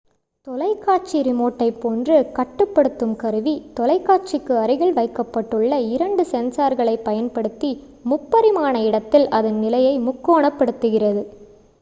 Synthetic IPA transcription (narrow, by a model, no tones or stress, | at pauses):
t̪ɔlɐɪkːaːt͡ʃiɾɪmoːʈːɐɪpːoːndrɯkɐʈːɯpːɐɽɯt̪ːɯmkɐɾɯʋit̪ɔlɐɪkːaːt͡ʃɪkːɯɐɾɯɣɐɭʋɐɪkːɐpːɐʈːɯɭːɐɪɾɐɳɖɯsɛnsaːɾɣɐɭɐɪpːɐjɐnpɐɽɯt̪ːi | mʊpːɐɾɪmaːnɐɪɽɐt̪ːɪlɐðɐnnɪlɐjɐɪmʊkːoːɳɐpːɐɽɯt̪ːɯɣɪrɐðɯ